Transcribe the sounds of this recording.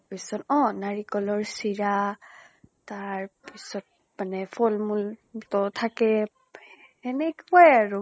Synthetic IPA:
pisɔnɔ̃naɹikɔlɔɹsiɹa | taɹpisɔt̚ | manɛfʰɔlmultɔtʰakɛ | ɛnɛkhɔjaɹu

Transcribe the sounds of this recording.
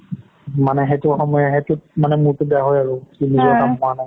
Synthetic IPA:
manɛɦetʊxɔmɔjaɦetʊmanɛmʊɹtʊbɛaɦɔjaɹʊkinizɔnamɦʊwanaj

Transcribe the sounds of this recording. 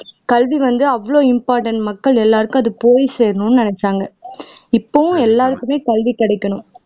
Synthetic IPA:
kɐlʋiʋɐnd̪ɯɐʋːɐɭoːɪmpaːɾʈɐɳʈmɐkːɐɭɛlːaːɾɯkːʊ̃ɐðɯpoːjseːɾɐnʊnːɯnɪnɛt͡ʃːaːŋɡɐɪpːoːʋʊ̃ɛlːaːɾɯkːɯmeːkɐlʋikɪɽɐɪkːɐɳʊ̃m

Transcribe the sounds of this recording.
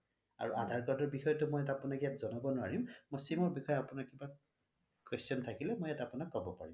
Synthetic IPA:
a̰ɹuʔadʱaɹkɔdɔɹbixɔjɔtʊmojatapʊnakijatzɔnɔbɔnʊaɹĩʊ̃mojsimɔɹbixɔjɔapʊnakiba | kwestjɔntʰakilɛmojatapʊnakːɔbɔpa̰ɹim

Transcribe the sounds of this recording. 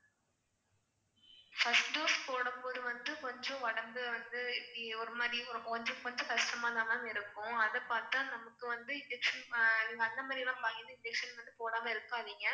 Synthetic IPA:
fɐsʈɖoːspoːɽɯmpoːðɯʋɐnd̪ɯkɔɲd͡ʒɔ̃ʋɐɽɐmbɯʋɐnd̪ɯɪpːiɔɾɯmaːðiɔɾkɔɲd͡ʒɔ̃kɔɲd͡ʒõkɐʂʈɐmaːt̪ãːnãːɪɾɯkːʊ̃ɐðɛpaːɾt̪ãːnɐmɐkːɯʋɐnd̪ɯɪnd͡ʒɛkʂɐnŋɐnd̪ɐmaːðɾɪlãːpɐjɪnd̪ɐɪɳd͡ʒɛkʂɐnʋɐnd̪ɯpoːɽaːmɐːɪɾɯkːaːʋiːŋɡɐ

